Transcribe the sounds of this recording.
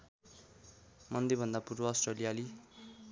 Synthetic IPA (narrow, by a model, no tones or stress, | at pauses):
mʌnd̪ebʱʌnd̪apurbʌːsʈrelijali